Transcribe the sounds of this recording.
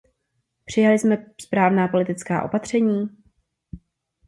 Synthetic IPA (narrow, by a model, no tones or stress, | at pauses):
pr̝̥ɪjalɪsmɛspɾaːvnaːpo̞lɪt̪ɪt͡ska̰ːʔo̞̰pat̪r̝̥ɛɲiː